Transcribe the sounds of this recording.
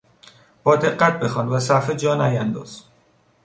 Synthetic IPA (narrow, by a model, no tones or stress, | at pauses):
b̥ɒːd̪e̞ɢːæt̪̚ʰbe̞xɒːnvæsæɾfed͡ʒɒːnæjænd̪ɒ̰ːz̥